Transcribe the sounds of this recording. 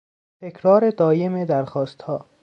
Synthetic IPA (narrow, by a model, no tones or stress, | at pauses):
t̪ʰekʰɾɒːɾed̪ɒːjemed̪æɾxɒːst̪hɒː